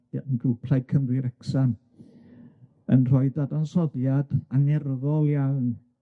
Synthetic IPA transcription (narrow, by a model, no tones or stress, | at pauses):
ənɡrupʰlaj̚kʰəmrɪɾɛksan | ə̰nr̥ɔɨdadansɔðjadanɛrðɔlˠjawn